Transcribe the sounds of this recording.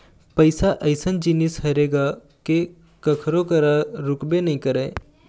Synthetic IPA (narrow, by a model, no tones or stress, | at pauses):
pəɪsaʔəɪsənd͡ʒinishɐɾeːɡa | ke | kəkʰɾokəɾaɾʊkbenɐĩkəɾeː